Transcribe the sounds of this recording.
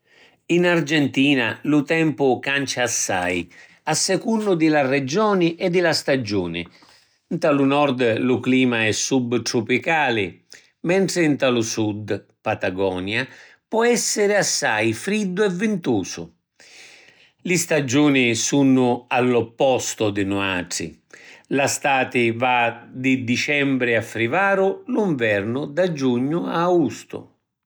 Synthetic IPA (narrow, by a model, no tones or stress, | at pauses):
inard͡ʒɛnt̪iːna̰lʊt̪ɛmpʊkant͡ʃaːsːa̰j | asːɛkunːʊd̪ɪlarɛd͡ʒɔːnɪʔɛd̪ːɪlast̪ad͡ʒṵːnɪ̰ | nt̪alʊnɔrd̪lʊkliːmaɛsːubt̪ɾʊpikaːlɪ | mɛnt̪ɾɪnt̪alʊsud̪ | pat̪aɡɔːnja | pɔɛsːɪɾɪasːa̰jfɾid̪ːʊɛvːɪnt̪uːsʊ̰ | lɪst̪ad͡ʒuːnɪsunʊalːɔpːɔst̪ʊd̪ɪnɔaaːʈɾḭlast̪aːt̪ɪvad̪ɪd̪it͡ʃɛmbɾɪafːɾivaːɾʊluɱvɛrnʊd̪ad͡ʒuɲːʊaɡust̪ʊ̰